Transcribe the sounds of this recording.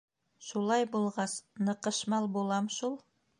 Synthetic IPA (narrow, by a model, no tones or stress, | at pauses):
ʃulˠɑjbulˠʁɑsnɤ̆qɤ̆ʃmɑlˠbulˠɑmʃulˠ